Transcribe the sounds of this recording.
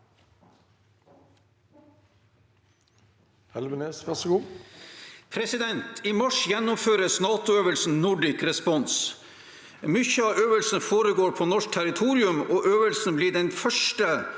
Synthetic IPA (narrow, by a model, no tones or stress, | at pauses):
hɛlbəneːsʋæsəɡuː | pʰɾɛsɪd̪ɛnt̪ʰiːmɑʂjɛnːʊmføːɾəsnɑːt̪ʊøːʋəlsn̩nʊɖɪkɾɛspɔns | mʏçəɑːøːʋəlsn̩foːɾəɡoːɾpʰoːnɔʂk̚t̪ʰæɾɪt̪ʰuːɾɪʉmoːʔøːʋəlsn̩bliːɖɛnfœʂʈə